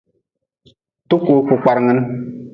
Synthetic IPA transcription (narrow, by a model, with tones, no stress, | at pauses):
tu˦ku˨˦ku˨k͡pa˨ɾŋɨ˦n˦